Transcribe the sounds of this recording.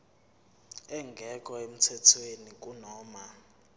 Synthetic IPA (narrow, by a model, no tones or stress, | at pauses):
ɛŋɡʱɛkʼɔem̩tʰɛtʰwenik̬ʼunɔːma